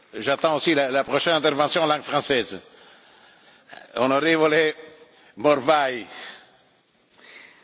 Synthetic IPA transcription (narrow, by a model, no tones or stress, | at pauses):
ʒat̪ɑ̃osilalapʁɔʃɛnɛ̃t̪ɛʁvɑ̃sjɔ̃lɑ̃ɡfʁɑ̃sɛz | ɔ̃nɔʁevole | mɔʁvaj